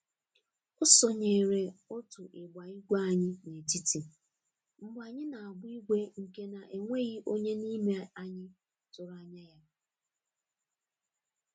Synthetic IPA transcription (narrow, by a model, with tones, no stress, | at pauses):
ʊ˦sɔ˨ɲe˨ɾe˨o˦tʊ˨ʔɪ˨ɡ͡ba˨i˦ɡʷe˦a˦ɲɪ˦ne˨ti˦ti˨ | m̩˦˨ɡ͡ba˨ɲɪ˦na˨a˨ɡ͡bʊ˦i˦ɡʷe˦ŋ̩˨ke˦na˨ʔe˨ŋʷe˦ɣi˦ʔo˦ɲe˦ni˦me˨a˦ɲɪ˦ | tʊ˨ɾa˨ɲa˦ja˦